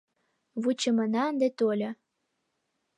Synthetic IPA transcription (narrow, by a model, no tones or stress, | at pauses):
βut͡ɕə̆mə̆nɑənd̪et̪olʲɤ̆